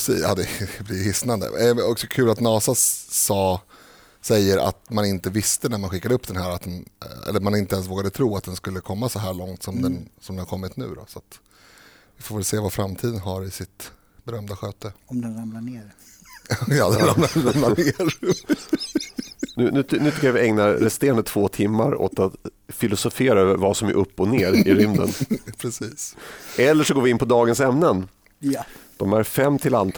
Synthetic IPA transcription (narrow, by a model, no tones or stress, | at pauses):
siɑ̰ːd̪ɛblɪjhɪsnand̪ə̰ɔksɔkʰʉ̟ːlat̪nɑːsasɑː | sɛjːəɾa̰t̪manɪnt̪əvɪst̪ənæɾmanɧɪkːad̪əɵpːd̪ɛnɦæːɾat̪̚d̪ɛnɛ̰lːəɾmanɪnt̪əɛns̬voːɡad̪ət̪ʰɾuːat̪̚d̪ɛnskɵlːəkʰɔmːasɔɦæːɭɔŋt̪sɔmd̪ɛnsɔmd̪ɛnaɾkɔmːɪt̪nʉ̟̰ːd̪ɔ̰sat̪ | vɪfoːvɛlseːvafɾamt̪ʰiːd̪ənɦaɾɪsɪt̪ | bɛɾœmd̪aɧøːt̪əɔmd̪ɛnɾamnaneːɾ | jɑːd̪ɛnɾamnaɾamlaneːɾ | nʉ̟nʉ̟ːt̪nʉ̟t̪ʏkːavɪɛŋnaɾɾɛst̪eːɾand̪ət̪ʰv̥oːt̪ʰɪmːaɾo̰ːt̪at̪ | fɪlʊsʊfeːɾaøːvəɾvasɔmæ̰ɾʔɵpːɔneːɾɪɾʏmd̪ə̰npʰɾɛsiːsɛlːəʂɔɡoːɾvɪɪnpʰɔd̪ɑːɡənsɛmnən | d̪̥ɔmæɾfɛmːt̪ʰɪlant̪ʰ